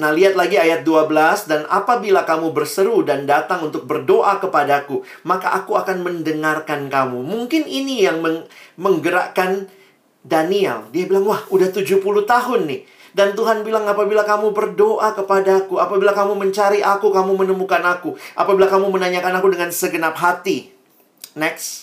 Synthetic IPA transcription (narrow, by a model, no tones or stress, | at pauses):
naliɦat̪̚laɡiajat̪̚duabəlasdana̰pabilakamubərsəɾudandat̪aŋunt̪ʊk̚bərdoʔakəpadakumaka̰ʔakuakanməndəŋarkankamumuŋkɪninijaŋməməŋɡəɾa̰ʔkan | daniɛ̰ldiabilaŋwahudaht̪ud͡ʒupulut̪aɦʊnːɪh | dant̪uɦanbilaŋapabilakamubərdoʔakəpadakuapabilakamuməɲt͡ʃaɾiʔakukamumənəmukanakuʔapabilakamumənaɲakanakudəŋansəɡənap̚ɦat̪i | nɛks